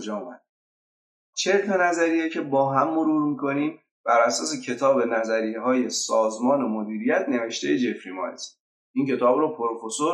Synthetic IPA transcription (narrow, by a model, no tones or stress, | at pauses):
d͡ʒɒːumæd̪ | t͡ʃʰeɾt̪ʰonæzæɾijecʰe̞bɒːɦæmːo̞ɾuːɾmiːkʰo̞niːm | b̥æɾæsɒːs̬e̞cʰe̞t̪ʰɒːbe̞næzæɾiːɦɒːje̞sɒːzmɒːne̞mod̪iːɾijæt̪ʰne̞ve̞ʃt̪ejed͡ʒefɾimɒ̰ːjs | ʔiːŋcʰe̞t̪ʰɒːbɾɔːpʰoɾofoso